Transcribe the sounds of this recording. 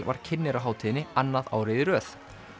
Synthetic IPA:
va̰ɾ̥cʰɪnːɪɾaɦaːwt̪ʰiðɪnɪanːaða̰ːwɾɪðɪɾœːθ

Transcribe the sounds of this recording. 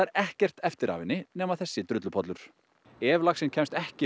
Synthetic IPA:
ɾɛhcɛr̥t̪ɛft̪ɪɾa̰ːvɪnːɪnɛːmaðθɛsːɪt̪ɾʏt̪lʏpʰɔt̪lʏɾ̥ | ɛːvlaxsɪncʰɛmst̪ɛhcɪ

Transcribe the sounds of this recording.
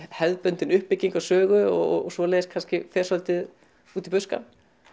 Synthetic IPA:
hɛðpœnt̪ɪnʏhpːɪcːiŋkawsœːɣʏɔ̰ɔɔsɔleːjðskʰanscɪfɛ̥ːsɔlt̪ɪð | uːt̪ipʏska̰n

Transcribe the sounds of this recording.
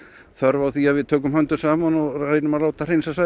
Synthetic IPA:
θœɾvawθiaðvɪðt̪ʰœːkʏmhœnt̪ʏsaːmanɔreːjnʏmalaːwt̪ar̥ejnsasa

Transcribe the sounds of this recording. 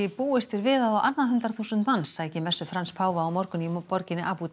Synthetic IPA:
ɪpuːɪst̪ɪɾvɪːðaðawʔat̪nːaðɦʏnt̪ɾaθusʏnt̪mansːaːjcɪmɛsːʏfɾanspʰaːwvaːwmɔɾkʏnipɔɾcɪnːɪʔaːput̪

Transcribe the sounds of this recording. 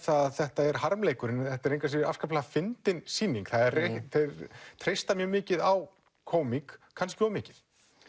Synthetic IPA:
θaðθɛht̪aɛɾɦaɾmleːjkʏɾɪnθɛht̪aɛɾejŋkvasɪɪɾa̰fskaplaɣafɪnt̪ɪnsiːniŋkθaðɛreθet̪ʰɾejst̪amjœmɪːcɪðaw | kʰoːwmiŋkkʰːanscɪɔmɪːcɪð̥

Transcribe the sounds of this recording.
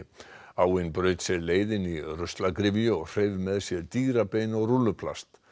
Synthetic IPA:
awɪnpɾœɥt̪sɛɾleːjðɪnirœst̪lakɾɪvjʏɔɣr̥ejvmɛðsjɛɾt̪iːɾapeːjnɔɣrulːʏpʰla̰st̪

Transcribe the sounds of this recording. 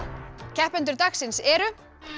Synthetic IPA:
cʰɛhpɛnt̪ʏɾt̪aksɪnsɛɾʏ

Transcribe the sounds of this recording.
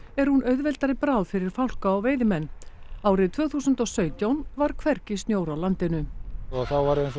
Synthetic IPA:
ɛɾ̥hunʔœɥðvɛlt̪aɾɪpɾawðfɪɾɪɾ̥fawl̥kaːwveːjðɪmɛnːawɾɪðt̪ʰvœːɣθuːsʏnt̪ɔsœːɥt̪jawnvaɾ̥kʰvɛrcɪsnjoːwɾawlant̪ɪnʏɔɣθawvaɾɛns

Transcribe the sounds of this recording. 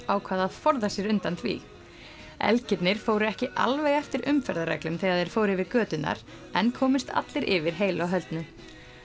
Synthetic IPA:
awkʰvaːðaðfɔɾðasjɛɾʏnt̪ant̪ʰvḭː | ɛ̰lcɪt̪nɪɾ̥foːwɾʏɛhcɪʔa̰lvɛjɣɛft̪ɪɾʏmfɛɾðaɾɛ̰klʏmθɪɣaðɛɾ̥foːwɾɪvɪɾkœːt̪ʏnːa̰ɾ̥ | ɛnkʰɔːmɪst̪ʰa̰t̪lɪɾʔɪvɪɾ̥ɦeːjlɔɦœlt̪nʏ

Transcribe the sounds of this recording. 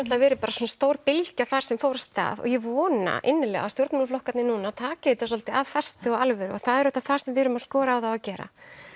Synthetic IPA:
aht̪lavɛːɾɪpaːɾasɔnast̪owɾpɪlcaθaɾ̥sɛmfowɾast̪a̰ːðɔ̰ɣjɛvɔːna̰ʔɪnːɪlɛ̰ɣa̰st̪jowɾt̪malflɔhkat̪nɪnunaːt̪ʰaːcaðit̪as̬ɔlt̪ɪaðfɛ̥st̪ɪɔɣalvɛɾɔ̰ɣθaðɛɾœht̪aθaɾ̥sɛmvɪɾʏmaskɔːɾaːwθaacɛːɾa̰

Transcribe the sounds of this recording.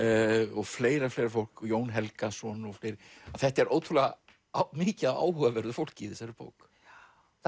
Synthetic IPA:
ɔɣfleːjɾafleːjɾafowl̥kjoːwnɦɛlkasvɔnɔɣfleːjɾɪaθɛht̪aɛɾʔoːwt̪ʰulɛɣa | mɪːcɪaa̰ːwhœvavɛɾðʏfowl̥cɪθɪsaɾɪpo̰ːwk

